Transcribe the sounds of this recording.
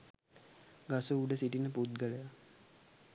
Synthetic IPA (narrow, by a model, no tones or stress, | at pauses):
ɡasuːɖəsiʈinəput̪̚ɡələja